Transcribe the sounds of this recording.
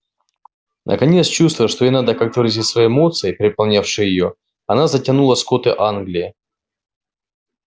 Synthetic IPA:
nʔə̰kɐnʲet̪st͡ɕust̪vəjʂt̪oenad̪əkak̚t̪əɾəzʲitʲsvɐjeːmo̞t̪sɨɪpʲɾʲɪpɐlˠnʲafʂɨjəjɪjo | ɐnazətʲɐnulˠəskot̪ɨʔanɡlʲɪɪ

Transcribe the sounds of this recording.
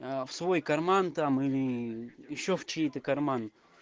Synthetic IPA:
swojkaɾmant̪am | ʃoft͡ʃit̪akaɾman

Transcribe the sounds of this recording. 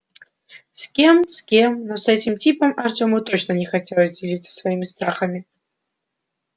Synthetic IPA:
sʲkʲe̞msʲkʲemnosɛtʲɪmtʲipəmɐrtʲomɨt̪o̞t͡ɕnənʲɪxɐtʲelˠəzʲdʲɪlʲit̪sə̥svɐimʲɪst̪ɾaxəmʲɪ

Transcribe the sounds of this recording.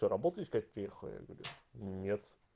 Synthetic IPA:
oɾɐbot̪əɪskat̚ʲpɾʲɪjexəlˠə̰ja̰ɡəvɐɾʲṵnʲet̪

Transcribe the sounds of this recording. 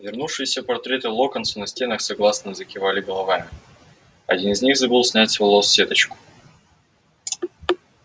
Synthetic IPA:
vʲɪrnufʂɨjɪsʲəpɐrt̪ɾʲe̞t̪ɨlˠo̞kənt̪sʊnɐsʲtʲe̞nəxsɐɡlˠasnəzəkʲɪvalʲɪɡəlˠɐvamʲɪ | ɐdʲinɨzʲnʲixzɐbɨlˠsʲnʲætʲsvɐlˠosːʲe̞t̪ət͡ɕkʊ̥

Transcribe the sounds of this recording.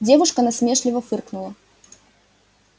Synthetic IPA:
d͡zʲɛvuʂkɐnasʲmʲɛʂlʲivɐfɨrknulˠɐ

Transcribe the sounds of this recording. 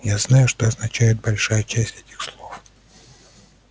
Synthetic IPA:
jaznajʊʂt̪oɐznɐt͡ɕæjɪt̪̚bɐlʲʂajət͡ɕæsʲtʲɛtʲɪ̥xslˠof

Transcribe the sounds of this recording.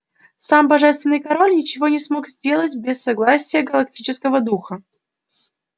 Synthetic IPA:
sambɐʐɛst̪vʲɪnɨjkɐɾo̞lʲnʲɪt͡ɕɪvo̞nʲɪsmokzʲdʲe̞lˠətʲbʲɪsːɐɡlˠasʲɪjəɡəlˠɐk̚tʲit͡ɕɪskəvəd̪uxə

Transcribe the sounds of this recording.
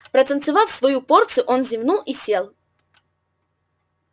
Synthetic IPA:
pɾət̪ənt̪sɨvafsvɐjuport̪sɨjʊʔonzʲɪvnulˠisʲelˠ

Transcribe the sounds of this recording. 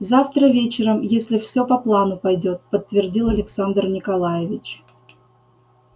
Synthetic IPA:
zaft̪ɾəvʲet͡ɕɪɾəmjesʲlʲɪfsʲopɐplˠanʊpɐjdʲot̪̚pət̪ːvʲɪrdʲilˠɐlʲɪksand̪rnʲɪkɐlˠajɪvʲɪt͡ɕ

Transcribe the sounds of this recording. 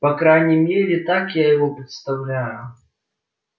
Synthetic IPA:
pɐkɾajnʲimʲeɾʲɪt̪akjajɐvɔpɾʲɨt̪st̪ɐwlʲajʊ

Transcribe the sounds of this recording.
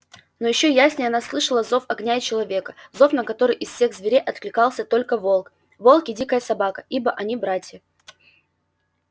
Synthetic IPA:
no̞jɪɕːo̞jasʲnʲɪjɐnaslˠɨʂəlˠəzo̞fɐɡnʲaɪt͡ɕɪlˠɐvʲekə̥zo̞fnəkɐt̪o̞ɾɨjʔɪsfsʲe̞ɣzʲvʲɪɾʲeʔɐt̪klʲɪkɑlˠsʲət̪o̞lʲkəvolˠk | vo̞lˠkʲɪdʲikəjəsɐbakə̥ibəʔɐnʲibɾatʲjə

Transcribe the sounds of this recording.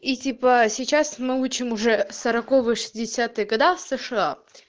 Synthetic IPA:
itʲipəsʲɪt͡ɕasmɨut͡ɕɪmʊʐɛsɐɾɐkovɨjəʂɨ̥sʲdʲɪsʲat̪ɨjəɡɐd̪afsəʂɨa

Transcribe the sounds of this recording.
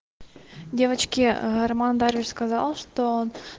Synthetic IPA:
dʲe̞vət͡ɕkʲɪɣɐrmand̪aɾvʲɪt͡ɕskɐzɑ̰lˠʂt̪oon

